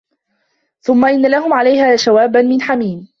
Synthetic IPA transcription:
θʊmːaʔɪnːalaɦʊmʕalajhaːʃawaːbanmɪnħamiːn

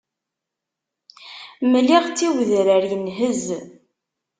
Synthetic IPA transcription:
məlːiʁt͡sːiwðɾəɾjənɦəz

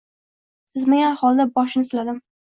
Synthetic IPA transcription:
sɪzmaɡʲanχɒlˠd̪abɒʃɪnɪsɪlad̪ɪm

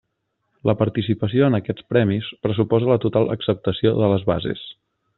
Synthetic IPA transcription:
ləpəɾt̪isipəsioənəkɛt͡spɾɛmispɾəsupɔzələt̪ut̪alˠə̰ksəp̚t̪əsioðələzβa̰zḛs

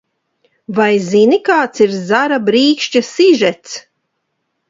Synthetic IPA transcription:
vajzinikaːt̪siɾzaɾabɾiːkʃt͡ʃasiʒɛt̪s

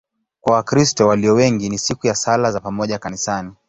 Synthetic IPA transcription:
kwawakɾistɔwaliɔwɛŋɡinisikujasalazapamɔʄakanisani

